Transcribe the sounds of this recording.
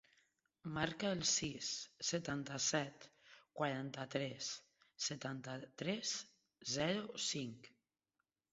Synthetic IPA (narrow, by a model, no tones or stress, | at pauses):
maɾkaəlˠsisːət̪ant̪əsɛt̪kwaɾant̪ət̪ɾɛsː | ət̪ant̪ət̪ɾɛs | zɛɾusiŋk